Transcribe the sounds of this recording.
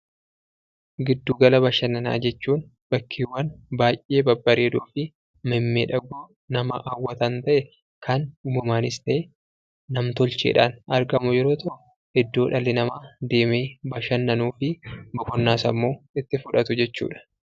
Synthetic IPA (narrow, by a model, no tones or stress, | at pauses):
ɡɪd̪ːuːɡɐlɐbɐʃɐnːɐna̰ːd͡ʒɛt͡ʃːuːn | b̥ɐkʰːiːwːɐnbaːjʔʔe̞ːbɐbːɐɾeːd̪uːfɪ | mɐmːeːᶑɐɡoː | nɐmɐ̰ʔawːɐt̪ɐnt̪ɐʔɛ | kʰɐnʊmɐmaːnɪst̪ɐʔe | nɐmt̪ɔlt͡ʃḛːᶑa̰ːnʔɐɾɡɐmʊjɛɾo̞ːt̪ɔʔʊ | ɪd̪ːo̞ːᶑɐlːɪnɐmaːd̪e̞ːmeːbɐʃɐnːɐnuːfɪbɔkɔnːaːsɐmːo̞ːɪt̪ːɪfʊᶑɐt̪ʊd͡ʒɛt͡ʃːṵːᶑɐ̥